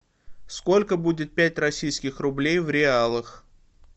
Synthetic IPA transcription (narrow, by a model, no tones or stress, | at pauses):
sko̞lʲkəbudʲɪt̪̚pʲætʲrɐsʲijskʲɪxrʊblʲejvɾʲɪalˠəx